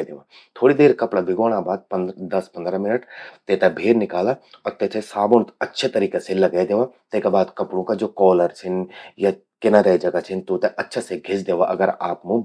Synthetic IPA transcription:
d̪eːʋa | t̪ʰoːɽid̪eːɾkɐpɽabɪɡoːɽ̃abaːd̪̚pɐd̪ɐspɐ̃nd̪ɾamɪnəʈt̪et̪ɛbʱeːɾnɪkaːlaɔːɾt̪et̪ʰesaːbont̪ɐtːʃʰet̪ɐɾiːkeselɐɡaed̪eːʋat̪ekabaːd̪kɐpɽõkad͡ʒoːkɔːləɾt͡ʃʰɪnja | kɪnaɾad͡ʒɐɡat͡ʃʰɪnt̪ot̪ɛʔɐtːʃʰaseɡʱɪsd̪eːʋaʔɐ̰ɡəɾaːpmũ

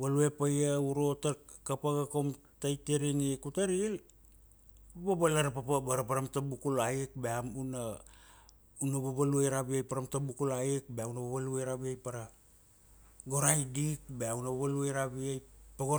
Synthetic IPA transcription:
βalue̞pajauɾotakapaɡakom | tajteɾinikutaɾil | ababalaɾapapabaɾapaɾamtabukulaik̚beamuna | unababaluejɾaβiajpaɾamtabukulaik̚beaunabaβaluejɾaβiajpaɾa | ɡoɾajdik̚beaunabaβaluajɾaβiajpaɡo

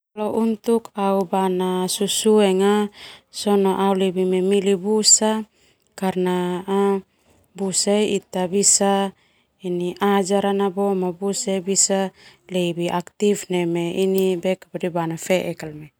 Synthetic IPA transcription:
loʔunt̪ukaubanasusuɛŋasɔnoʔaulebimɛmilibusa | karnaː | busaiit̪abisa | iniʔad͡ʒaɾanabomabusaibisalebiʔakt̪ifnɛmeinibɛkapadibanafeʔɛkalme

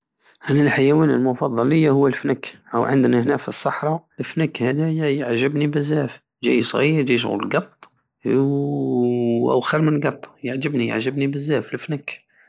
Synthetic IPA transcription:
ʔænælħajæwænəlmʊfɑd̪ˤːɑləjːahʊwːælfnækʔəwʕə̰nd̪næhnæfisˤːɑħɾˤɑlfnəkhæd̪æjjəʕʒəbnibəzːæf | ʒæ̰jsˤɣiɾd͡ʒijʃ̬ɣṵllɡɑt̪ˤː | ʔæ̰wxəɾmənlɡɑt̪ˤːjəʕd͡ʒəbnijə̰ʕʒəbnibəzːæfəlfnæk

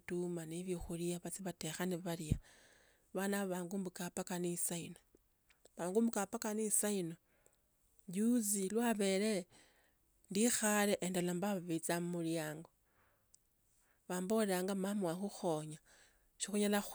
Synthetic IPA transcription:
tumaniβjixulijaβat͡siβatexaniβaɾia | βanaβaːŋɡumbukapakanisaino | βaːŋɡumbukapakanisaino | ɟuzilwaβe̞ɾe | ndixaleʔendalambaβaβit͡samumuljaːŋɡo | βaːmboleaŋɡamamwaxuxo̞ɲa | ʃixuɲala

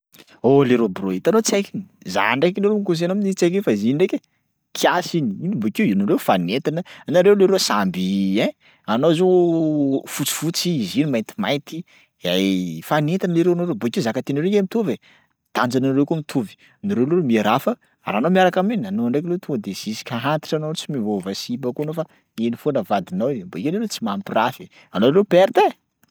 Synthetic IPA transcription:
oleɾobroit̪anot͡sekini̥za̰aɳɖ͡ʐekiliɾemikus̬enoaminit͡sek̬infaiziiɳɖ͡ʐekʲe | kʰiasiniinimbokiwinuɾewfanet̪anənaɾewleɾesambiɛ̃ | anozo | fut͡si̥fut͡siːzinimajnt̪i̥majt̪i | a̰jfanet̪anliɾewanoɾeboikiuzakat̪eniɾeemit̪uve | t̪and͡zananɾewkumit̪ʰuvi̥ | niɾelemieɾafə | ɾa̰ːnomiaɾakaminanoaɳɖ͡ʐeklewt̪uŋɡəd̪ez̥isi̥kʲaɦant̪i̥ʈ͡ʂanoot͡simivovəsibəkunofa | enifonəvad̪inawbaikaleɾet͡simampirafi | anoɾewpeɾt̪e

